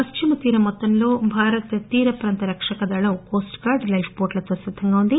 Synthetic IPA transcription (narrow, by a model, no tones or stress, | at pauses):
pɐst͡ʃimɐt̪iːɾɐmɔt̪ːɐnloːbʱaːɾɐt̪t̪iːɾɐpɾɐnt̪ɐɾɐkʂɐkɐd̪ɐɭɐukoːsʈkaːɾɖlɐjfpoːɾʈlɐt̪ʋɐsʋɐt̪ʰːɐŋɡɐund̪i